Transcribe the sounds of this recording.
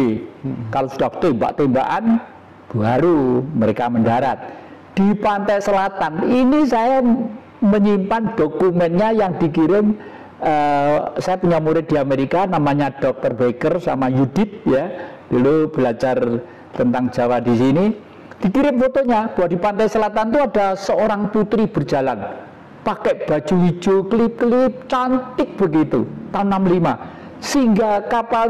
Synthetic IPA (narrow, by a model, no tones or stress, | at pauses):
kalosud̥aft̪oimba̰ʔt̪emba̰ʔan | b̥ualuməɾekaməndaɾa̰t̪̚ | d̪̥ipant̪ajsəlat̪aninisaja | məɲimpandokumɛnɲajaŋd̥ikiɾɪm | əsajapəɲamuɾɪd̪̥iameɾikanamaɲad̥ɔk̚t̪ərbekərsa̰majud̥ɪt̪̚jad̪̥ulub̥əlat͡ʃar | t̪ənt̪aŋ̥d͡ʒ̥awad̥isini | d̥i̤kiɾɪmfot̪oɲab̥əwaʔd̥ipant̪aisəlat̪ant̪uadasəoɾaŋput̪ɾib̥ərd͡ʒalan | pakɛʔb̥a̤d͡ʒuid͡ʒoklip̚klip̚t͡ʃant̪ɪk̚b̥əɡit̪ut̪aunːamlima | səɦiŋɡakapa